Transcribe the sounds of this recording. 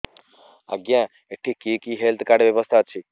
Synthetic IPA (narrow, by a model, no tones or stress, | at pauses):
ə̰ɡjãː | eʈʰːikiːkiːɦelt̪ʰkaːɾɖʋjəʋəst̪ʰaːt͡ʃʰi